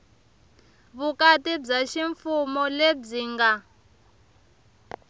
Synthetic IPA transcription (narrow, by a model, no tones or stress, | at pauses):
βukatib͡ʐaʃiɱfumɔleb͡ʐiːŋɡa